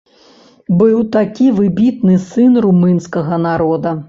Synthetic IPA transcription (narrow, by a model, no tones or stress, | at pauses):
bɨwt̪akʲivɨbʲit̪̚nɨsɨnrumɨnskɐɣɐnaɾɔd̪ɐ